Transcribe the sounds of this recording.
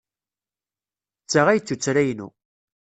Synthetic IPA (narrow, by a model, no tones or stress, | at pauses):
t͡sːaʁæjt͡s̪ːut͡sːɾæjnṵ